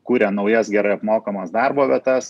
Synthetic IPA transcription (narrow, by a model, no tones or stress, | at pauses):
kuːɾʲɛnɒʊjɛsɡʲɛɾɐɪɐpmoːkɐmɐsd̪ɑɾboːʋʲiɛt̪ɐs